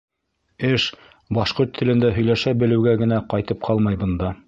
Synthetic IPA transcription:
ɘʃ | bɑʃqoɾt̪ʰːɘ̆lɘ̆nd̪æɦɵ̆jlæʃæbɘ̆lɘ̆wɡæɡɘ̆næqɑjt̪ɤp̚qʰɑlˠmɑjbɤ̆nd̪ɑ

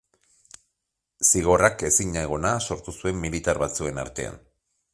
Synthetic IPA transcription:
siɣ̞o̞rake̞siɲaeɣ̞o̞naso̞ɾt̪usue̞mːilit̪aɾβat͡sue̞na̰ɾt̪e̞a̰n

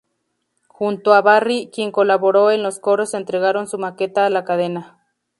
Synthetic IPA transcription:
xunt̪oaβarikjeŋkolaβoɾoenlosko̞ɾosent̪ɾeɣ̞aɾonsumake̞t̪aːlakaðena

